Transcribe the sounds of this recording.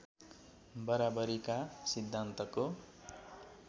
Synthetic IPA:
bʌɾabʌɾikasid̪ʱːant̪ʌko

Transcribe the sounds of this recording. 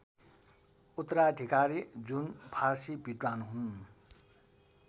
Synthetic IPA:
ut̪ːɾaʈikaɾid͡zunpʰarsibiʈwanɦun

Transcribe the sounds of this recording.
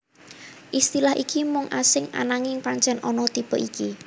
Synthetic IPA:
ʔist̪ilahʔikimʊŋʔasɪŋa̰naŋɪŋpaɲt͡ʃɛnʔɔnɔt̪ib̥əʔiki

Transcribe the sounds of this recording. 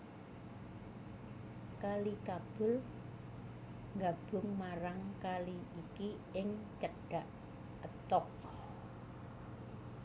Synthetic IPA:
kalikab̥ʊ̤l | ŋɡab̥ʊ̤ŋmaɾaŋkaliiki | ɪŋt͡ʃəɖ̥aʔ | ət̪ɔk̚

